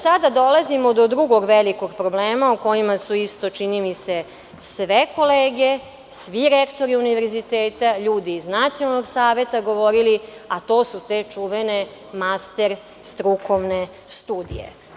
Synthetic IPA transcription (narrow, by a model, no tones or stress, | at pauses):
sad̪ad̪o̞lazimod̪od̪ɾuɡo̞ɡʋeliko̞ɡpɾo̞bleːmauko̞jimasuist̪o̞t͡ʃinimise̞ | sʋeko̞leːɡe | sʋiɾekt̪o̞ɾiuniʋeɾzit̪eːt̪aʎuːd̪iːznat̪sijonaloɡsaːʋe̞t̪aɡo̞ʋo̞ɾiliat̪o̞ːsut̪e̞t͡ʂuʋene̞ | mast̪eɾ | st̪ɾukoʋne | st̪uːd̪ḭjḛ